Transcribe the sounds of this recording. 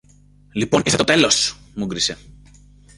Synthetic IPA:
lipo̞niset̪ot̪e̞lo̞su̥ | muɡɾise̞

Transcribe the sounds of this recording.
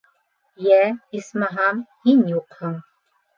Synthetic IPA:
jæismɑɦɑmhinjuqhɤɴ

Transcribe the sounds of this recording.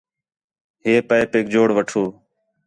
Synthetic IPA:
ɦeːpəepeːk̚d͡ʒoːɽʋəʈʰoː

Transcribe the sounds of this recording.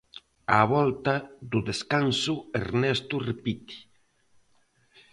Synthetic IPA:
a̰βɔlt̪aðʊðeskansʊḛɾnɛst̪ʊrepit̪i̥

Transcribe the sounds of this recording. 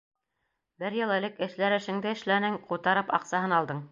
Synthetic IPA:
bɘɾjɤlˠɘ̆lɘkɘ̆ʃlæɾɘ̆ʃɘ̆ŋd̪ɘɘ̆ʃlænɘŋqut̪ɑɾɤpɑ̰qsɑɦɤnɑlˠd̪ɤɴ

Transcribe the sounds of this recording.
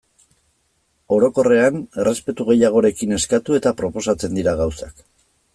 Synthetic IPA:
o̞ɾo̞ko̞re̞ane̞re̞spe̞t̪uɣe̞jaɣ̞o̞ɾe̞kine̞skat̪ue̞t̪apɾo̞po̞sat͡se̞nd̪iɾaɣawsak

